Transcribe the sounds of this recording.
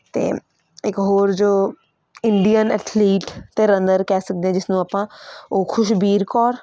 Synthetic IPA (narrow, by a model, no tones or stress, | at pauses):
t̪ḛː | ɪkɦoːɾd͡ʒoː | ɪɳɖijənɛ̰ːt̪ʰliːʈt̪eːɾə̃nd̪əɾkɛːsək̚d̪eːɛ̃d͡ʒɪsnũːaːpãːoːkʰʊʃbiːɾkɔːɾ